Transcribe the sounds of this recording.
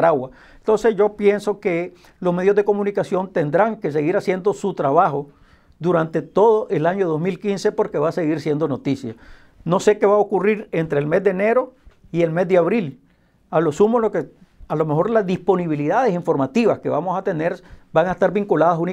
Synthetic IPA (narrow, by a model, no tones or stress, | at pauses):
ɾawa | ent̪o̞nse̞sd͡ʒo̞pje̞nsoke | lo̞zme̞ðjozðeko̞mũnikasjo̞nt̪e̞nd̪ɾaŋke̞s̬eɣiɾasje̞nd̪o̞sut̪ɾaβaxo̞ | d̪uɾant̪e̞t̪o̞ðoʔelaɲo̞ðo̞zmilkinse̞po̞ɾkeβase̞ɣiɾsje̞nd̪o̞no̞t̪isja | no̞se̞keβaokuriɾe̞nt̪ɾeːlme̞zd̪ene̞ɾo̞ | ie̞lme̞zd̪eaβɾil | alosumoloke | alome̞xo̞ɾlazd̪ispo̞niβ̞iliðað̞e̞siɱfo̞ɾmat̪iβaske̞βamo̞sat̪eneɾbaŋaest̪aɾbiŋkulaðasuni